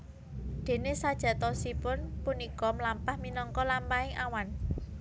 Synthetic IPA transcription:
d̪̥e̤nesad̥ʒ̥ä̤t̪ɔsipʊnpunikɔmlampahminɔŋkɔlampaɪŋʔawan

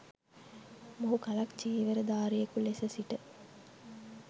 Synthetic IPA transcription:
moɦukalakt͡ʃiːʋəɾəd̪aːɾijekulesəsiʈə

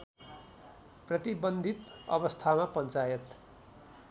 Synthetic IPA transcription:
prʌt̪ibʌnd̪ʱit̪ʌ̰bʌst̪ʰamapʌnt͡sajʌt̪

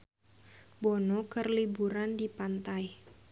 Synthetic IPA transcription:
bɔnɔkərlibuɾandipant̪aj

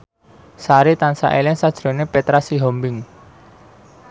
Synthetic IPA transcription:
saɾit̪ansa̰ʔelɛŋsad̥ʒ̥ɾo̤nepet̪ɾasiɦɔmbɪŋ

